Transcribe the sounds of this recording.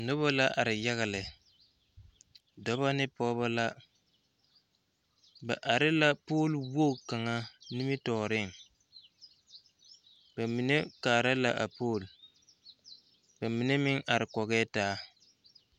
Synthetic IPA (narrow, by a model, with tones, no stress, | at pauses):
nʊ˦βa˦la˦ʔa˨ɾɪ˨ja˦ɣɪ˨lɪ˨ | dɔ˦ba˦nɪ˦pɔː˦ba˦la˦ | ba˨ʔa˨ɾɪ˦la˦poː˦˨lwo˦˨ka˨ŋa˦ni˦mɪ˦tɔː˨ɾɪ˦˨ŋ | b̥a˨mi˨ne˦kaː˨ɾa˦la˦ʔa˨poː˦˨l | ba˨mi˨ne˦mɪ˦ŋʔa˨ɾɪ˨kɔ˨ɣɛː˦taː˦